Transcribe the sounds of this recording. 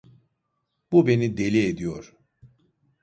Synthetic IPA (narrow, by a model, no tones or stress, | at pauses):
bube̞nid̪e̞lʲied̪ijoɾ̥